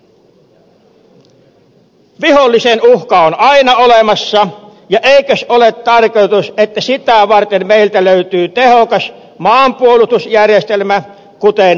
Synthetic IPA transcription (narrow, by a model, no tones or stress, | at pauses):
ʋiholːisenuhkɑonɑinɑolemɑsːɑ | jɑʔeikøsolet̪tːɑrkojt̪uset̪ːæsit̪æʋɑrt̪emmeilt̪æløyt̪yːt̪ehokɑs | mɑːmpuolust̪usjærjest̪elmæ | kut̪en